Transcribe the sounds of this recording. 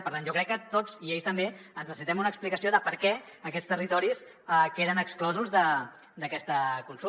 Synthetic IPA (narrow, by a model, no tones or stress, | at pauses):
pəɾt̪anʒokɾɛkːət̪od͡ziejst̪əmbeənzrəsint̪ɛmunəksplikəsioðəpəɾkɛ | əkɛst̪ərit̪ɔɾis | əkeðənəksklɔzuzðə | d̪əkɛst̪əkunsu